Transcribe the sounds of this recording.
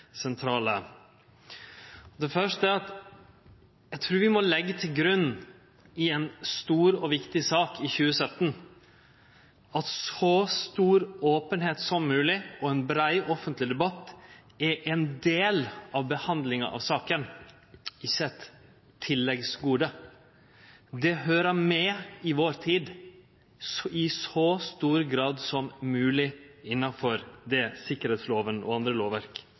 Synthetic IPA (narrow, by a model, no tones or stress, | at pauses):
sɛnt̪ʰɾɑːlə | ɔd̪ɛfœʂtəæɾɑt̪ | jæɪt̪ʰɾʉːɾʋɪmɔlɛɡːət̪ʰɪlɡɾʉnː | ɪɛnst̪uːɾɔʋɪkt̪ɪsɑːkɪçʉːəsœt̪ːn | ɑt̪sɔst̪uːɾoːpənheːt̪sɔmːʉːlɪɔɛnbɾæɪʔɔfənt̪lɪd̪ɛbɑt̪ː | ɛɾʔɛnd̪eːlɑʋbəhɑnd̪lɪŋɑ̰ʔɑ̰ʋsɑːkən | ɪçəɛt̪ʰː | ɪlːɛɡsɡuːd̪ə | d̪ɛɦøːɾəmɛɪʋoːɾt̪ʰiːd̪ | ɪsɔst̪uːɾɡɾɑːd̪sɔmmʉːlɪɪnːɑfɔɾd̪ɛsɪkːəɾheːt̪sloːʋənʔɔ̰ɑnd̪ɾəloːʋʋæɾk